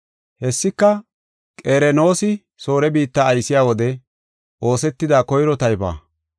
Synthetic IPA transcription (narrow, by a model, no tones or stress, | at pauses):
hɛsːɪkːɐ | kʼeːɾɛno̞ːsɪ | so̞ːɾɛbiːt̪ːaːjsɪjaːwɔd̪ɛ | ʔo̞ːsɛt̪ːɪd̪aːkɔjɾɔt̪ɐjba̰ː